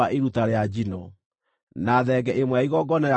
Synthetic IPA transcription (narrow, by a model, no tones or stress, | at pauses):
aʔeɾutaɾead͡ʑinɔ | naːðɛɡɛʔemwɛaiɣɔɡɔnaja